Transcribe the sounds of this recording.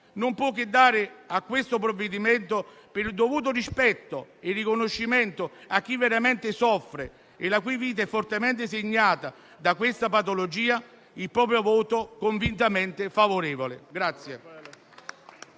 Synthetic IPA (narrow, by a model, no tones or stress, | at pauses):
nompwɔkːɪd̪ːaːɾɪakːwest̪opɾovːed̪imɛnt̪o | pɪɾd̪ovuːt̪̬ʊɾispɛt̪ːoɪrːikonoʃːimɛnt̪ʊak̟ːivːeɾamɛnt̪ɪsɔfːɾe | elakujviːt̪̬aɛfːort̪emɛnt̪̬ɪseɲːaːt̪a | d̪akwest̪apat̪olod͡ʒiːa | ilpɾɔːpɾjovɔːt̪okoɱvint̪amɛnt̪ɪfavoɾɛːvolɪ̰ɡɾat̪sːje